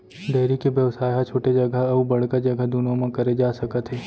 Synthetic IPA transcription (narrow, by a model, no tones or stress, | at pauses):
d̪ɐːɾikeʋjəʋsaːjɦat͡ʃʰoːʈed͡ʒɐɡəɐubɐɽ̤kad͡ʒɐɡəd̪unõmãkɐɾed͡ʒaːsɐkət̪ɦeː